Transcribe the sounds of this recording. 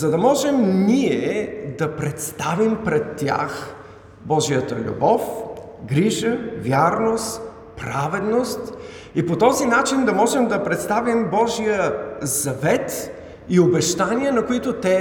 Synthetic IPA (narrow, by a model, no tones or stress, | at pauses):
zɐd̪ɐmɔʒɛmniɛd̪ɐpɾɛt̪st̪avimpɾɛt̪ːja̰x | bɔʒijət̪əlʲṵbɔf | ɡɾiʒəvʲjaɾnost̪ | pɾavɛd̪nost̪ | ipot̪ɔzinat͡ʃind̪ɐmɔʒɛmd̪ɐpɾɛt̪st̪avimbɔʒijəzɐvɛt̪ | iobɛʃt̪aniənɐkoit̪ot̪ɛ